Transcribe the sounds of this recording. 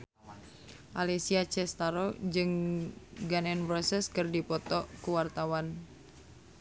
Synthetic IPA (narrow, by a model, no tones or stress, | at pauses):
ʔalesiat͡ʃɛst̪aɾod͡ʒɨŋ | ɡanɛnvɔsɛskɨrdipɔt̪ɔkuwart̪awan